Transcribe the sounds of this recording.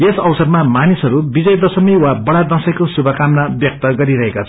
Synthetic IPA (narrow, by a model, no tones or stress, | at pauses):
esʌwsʌrmamanisɦʌɾubid͡zʌjd̪ʌsʌmiwabʌɽad̪ʌ̃sʌkosubʱʌkamnabjʌk̚t̪ʌɡʌɾiɾʌɦekat͡sʰʌ